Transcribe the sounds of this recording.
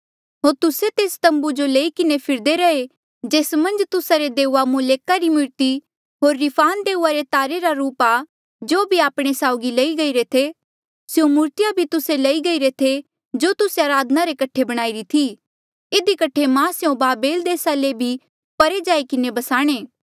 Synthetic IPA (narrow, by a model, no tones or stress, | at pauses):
ɦoːɾt̪ʊset̪eːst̪ɐ̃mbud͡ʒoleikɪnepʰɪɾd̪eɾɐe | d͡ʒeːsmɐ̃nd͡ʒt̪ʊsaɾed̪eːamʊleːkaɾimʊɾt̪i | ɦoːɾːɪpʰaːnd̪eːuaɾet̪aːɾeɾaɾuːpa | d͡ʒoːbʱiaːpɽ̃esaːʊɡilɐiɡɐiɾet̪ʰe | sjõmʊɾt̪ɪjabʱit̪ʊselɐiɡɐiɾet̪ʰe | d͡ʒoːt̪ʊseaːɾaːd̪ʱənaɾekɐʈʰebɐɽ̃aːiɾit̪ʰi | ɪd̪ikɐʈʰːemãsjõbaːbeːld̪eːsalebʱi | pɐɾed͡ʒaːikɪnebɐsaːɽ̃eː